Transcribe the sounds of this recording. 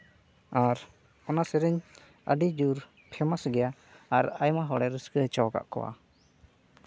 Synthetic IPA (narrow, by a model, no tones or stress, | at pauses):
aɾ | ɔnasɛɾɛɲ | ə̰ɖid͡ʒuɾ | pʰɛmasɡɛjaː | ɾajmaɦɔɽɛɾəskət͡ʃɔwɡa̰ʔkɔ̰wa̰